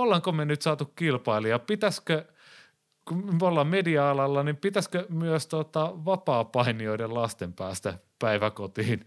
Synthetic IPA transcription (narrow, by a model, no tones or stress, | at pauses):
olːeŋkomenyt̪sɑːt̪ukkilpɑiliɑpit̪æskø | kumolːɑːmmediɑɑlɑlːɑnimpit̪æskømyøst̪ot̪ɑʋɑpɑːpɑinioidellɑst̪empæːst̪æpæiʋækot̪iːn